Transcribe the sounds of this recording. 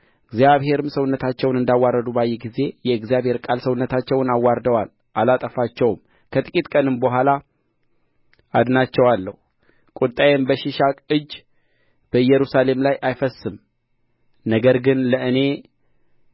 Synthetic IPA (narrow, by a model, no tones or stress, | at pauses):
ɨɡzjaβhe̞ɾɨmsəwʊnːət̪ʰat͡ʃːɛwnɨnd̪awːarəd̪ubajːɛɡize̞jɛɨɡzjaβhe̞ɾkʼalsəwʊnːət̪ʰat͡ʃːɛwnawːaɾd̪əwal | ʔalat̪ʼəfat͡ʃːɛwm | kʰət̪ʼɨkʼit̪ʼkʼənɨmbəɦʷala | ad̪nat͡ʃːɛwalːəhu | kʼut̪ʼajɛmbəʃɪʃakʼɨd͡ʒː | b̥əjɛɾusale̞mlajʔajfəsːɨm | nəɡəɾɡɨnləɨne̞